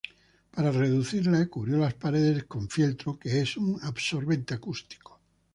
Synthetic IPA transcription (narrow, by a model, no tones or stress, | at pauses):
paɾare̞ðuθiɾlaekuβɾjo̞laspaɾeðe̞skõ̞ɱfilt̪ɾokeesuŋaβso̞ɾβe̞nt̪eakust̪i̥ko̥